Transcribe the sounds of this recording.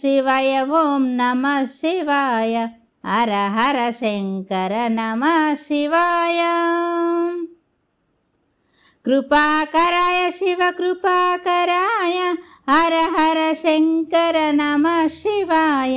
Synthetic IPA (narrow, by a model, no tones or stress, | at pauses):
siʋɐjɐʋomnɐmɐʃiʋaːjɐ | ɐɾɐɦɐɾɐseŋkɐɾɐnɐmɐsiʋaːjɐ | kɾupaːkɐɾaːjɐʃiʋɐkɾupaːkɐɾaːjɐ | ɐɾɐɦɐɾɐʃeŋkɐɾɐnɐmɐʃiʋajɐ